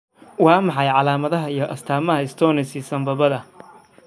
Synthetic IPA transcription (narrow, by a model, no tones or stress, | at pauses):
wɑːmɑħɑjʕɑlaːmɐðɐɦɐijɞʔɐst̪ʰaːmɐɦɐɪst̪ʰɔːnɪsisɐmbɐβɐðɐ